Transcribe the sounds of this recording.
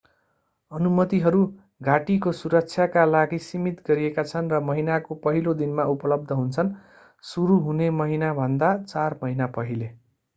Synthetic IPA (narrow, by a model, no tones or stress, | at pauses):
ʌnumʌt̪iɦʌɾu | ɡʱaʈikosuɾʌk̚t͡sʰjakalaɡisimit̪ɡʌɾiekat͡sʰʌnrʌmʌɦinakopʌɦilod̪inmaupʌlʌb̚d̪ʱʌɦunt͡sʰʌn | suɾuɦunemʌɦinabʱʌnd̪at͡sarmʌɦinapʌɦile